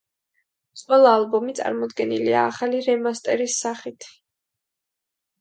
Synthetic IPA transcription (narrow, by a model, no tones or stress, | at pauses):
t̪sʼwɛlˠaːlˠbɔmit̪sʼa̰ɾmɔd̪ɡɛniliaːχaliɾɛmast̪ʼɛɾisːaχit̪ʰ